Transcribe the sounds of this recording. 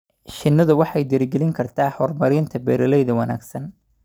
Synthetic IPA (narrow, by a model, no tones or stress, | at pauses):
ʃɪnːɐðʊwɑħɑjd̪ɪɾɡɛlɪŋkʰɐrt̪ʰaːħɔrmɐɾɪnt̪ʰɐbɛːɾɐlɛjðɐwɐna̰ːɡsɐn